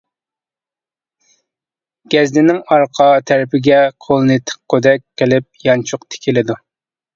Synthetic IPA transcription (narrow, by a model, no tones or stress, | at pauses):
ɡ̥ʲɛzd̪ɪnɪŋɑɾqʰɑt̪ʰæɾɪpɪɡʲɛqʰolˠɨnɨt̪ʰɪ̥qqʰːød̪ɛk̚ʲqəlɪp̚jɑnt͡ʃʰʊqt̪ʰe̥kʲʰilɪd̪u